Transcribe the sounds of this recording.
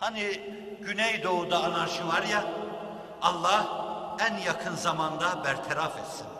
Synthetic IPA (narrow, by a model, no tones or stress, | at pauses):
hani | ɟynɛjd̪o̞ud̪aːnaɾʃɯvaɾja | ɑlˠːahænjakʰɯnzamand̪abæɾt̪ʰɛɾafɛt̪sin